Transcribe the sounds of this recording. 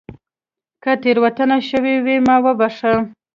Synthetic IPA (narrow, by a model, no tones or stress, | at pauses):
kət̪eɾwat̪ənaʃəwiwimɑwəbɑʂə